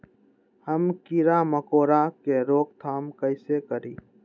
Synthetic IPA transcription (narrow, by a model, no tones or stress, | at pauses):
həmkiɾaməkoːɾakeɾoːk̚t̪ʰaːmkəɪsekəɾiː